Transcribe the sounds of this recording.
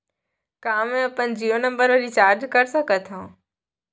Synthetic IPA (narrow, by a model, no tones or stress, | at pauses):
kãːmẽɐpənd͡ʑiːonə̃mbəɾʋəɾiːt͡ɕaːɾd͡ʑkɐɾsəkət̪ʰõː